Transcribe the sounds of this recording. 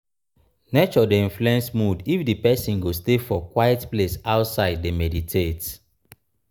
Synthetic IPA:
net͡ʃɔdeĩnfluɛ̃nsmudifdipɛsĩnɡostefɔkwajɛtplesaʊtsaɪd̚ːemɛditʰet

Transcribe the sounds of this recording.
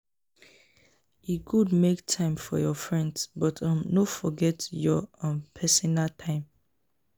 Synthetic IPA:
jukʰudmektʰãɪ̃mfɔ̰jɔfɹɛ̃ndsbɔtʰãmnofɔɡɛtjɔɔ̃npʰɛsɔnaltʰãɪ̃m

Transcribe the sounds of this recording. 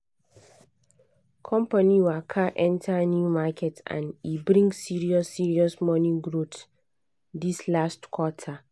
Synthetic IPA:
kʰɔ̃mpaniwakʰaʔɛ̃ntʰanjumakʰɛtã̰nibɹĩŋɡsiɹiɔsiɹiɔsmɔnĩɡɹot | dislastkʰwɔtʰa

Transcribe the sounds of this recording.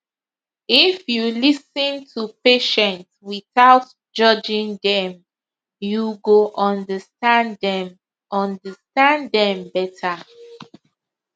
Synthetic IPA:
ifjulisə̃ntʰupeʃɛ̃ntswiθaʊt | d͡ʒʌd͡ʒĩŋdɛ̃m | juɡoʔɔ̃ndəstãndɛm | ɔ̃ndəstãndɛ̃mbɛtʰa

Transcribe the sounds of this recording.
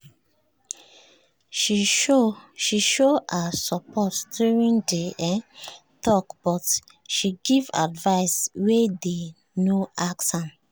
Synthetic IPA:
ʃiʃoasɔpʰɔtdjuɹĩndeʔɛtɔkb̥ɔt | ʃiɡiva̰dvaɪswede | noʔaksãn

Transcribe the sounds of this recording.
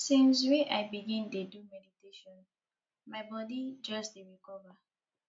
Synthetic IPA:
sĩns̬weʔajbiɡĩntedumɛditeʃɔ̃n | maɪbɔdid͡ʒɔsdeɹikɔva

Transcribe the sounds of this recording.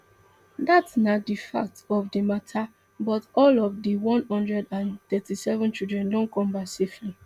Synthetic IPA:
datsnadifa̰k̚tɔvdimatʰa | bɔtɔlɔvdiwɔ̃nhɔ̃ndɹɛdãnt̪ɛtisɛvɔ̃nt͡ʃildɹɛ̃ndɔ̃nkɔ̃mbasefli

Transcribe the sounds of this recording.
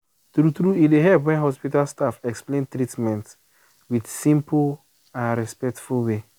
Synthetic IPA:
tɾutɾuideɦɛlpwɛ̃nɦɔspitalstafɛksplẽntɾitmɛ̃nt | widsĩmp | ãnɹɛspɛk̚tfulwe

